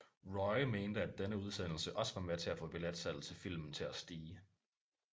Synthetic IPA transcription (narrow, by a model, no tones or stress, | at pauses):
ʁɒɪme̝ːnd̥əæd̥enəuð̞ˠsen̰l̩səʔɒ̽sʋɑ̈met͡sʰe̝æfɔ̽b̥e̝læd̥sæd̥l̩ˠt͡sʰe̝fil̰mn̩t͡sʰe̝æsd̥iː